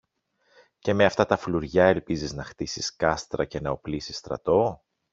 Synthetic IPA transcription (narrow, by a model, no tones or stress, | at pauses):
ce̞me̞ɐft̪ɐt̪ɐfluɾʝɐe̞lpiziznɐxt̪isiskɐst̪ɾɐce̞nɐo̞plisi̥st̪ɾɐ̰t̪o̞